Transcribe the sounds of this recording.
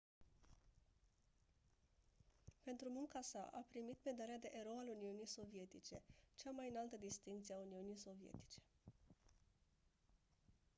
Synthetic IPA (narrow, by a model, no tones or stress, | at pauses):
pe̞nt̪ɾumuŋkasa̰ʔapɾimit̪med̪aɾead̪e̞ʔeɾo̞aluniunijso̞vije̞t̪it͡ʃe̞t͡ʃamajɨnalt̪əd̪ist̪iŋk̚t̪sieauniunijso̞vije̞̰t̪i̥t͡ʃe̥